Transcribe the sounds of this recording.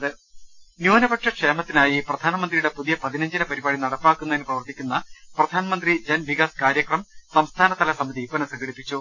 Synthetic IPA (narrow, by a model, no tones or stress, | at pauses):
ɐðɨnjuːnɐbɐʈʂɐkʂeːmɐt̪ːinaːjiprɐd̪ʱaːnɐmɐnd̪rijuɽe̞puðijɐpɐðinɐɲd͡ʑinɐpɐɾibaːɽinɐɽɐpːaːkːunːɐðinɨprɐʋɐrt̪ːikʲːunːɐprɐd̪ʱaːnɐmɐnd̪rid͡ʑɐnʋikaːskaːɾjɐkrɐmsɐmst̪ʰaːnɐt̪ɐlɐsɐmɐðipɐnɐsɐŋɡɐɽipːit͡ɕːu